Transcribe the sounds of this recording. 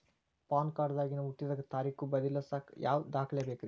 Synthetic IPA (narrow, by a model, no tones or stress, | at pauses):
paːnkaːɖd̪aːɡinuuʈːid̪ɐɡɐt̪aːɾiːkubɐd̪ilːɐsaːkjʔa̰ːʋd̪aːkʰleːbeːkɾi